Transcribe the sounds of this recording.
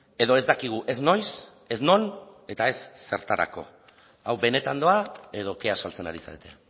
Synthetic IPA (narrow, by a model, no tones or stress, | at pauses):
e̞ðo̞e̞zd̪akiɣ̞uʔe̞zno̞js | e̞zno̞ne̞t̪ae̞sːe̞ɾt̪aɾa̰ko̞̰ | awbe̞ne̞t̪and̪o̞ae̞ðo̞ke̞asalt͡se̞na̰ɾisa̰et̪e̞